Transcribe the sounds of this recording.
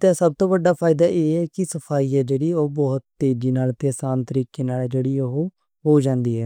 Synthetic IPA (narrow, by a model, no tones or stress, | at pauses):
t̪ẽːsəb̚t̪õːʋəɖːaːpʰaːɪd̪aːʔeːɛːkɪsəpʰaːiːɛːd͡ʒeːɽiːoːbɔːt̪t̪eːd͡ʒiːnaːlt̪eːsaːnt̪əɾiːkeːnaːlɛːd͡ʒeːɽiːoɦo | ɦoːd͡ʒãːnd̪iːɦɛː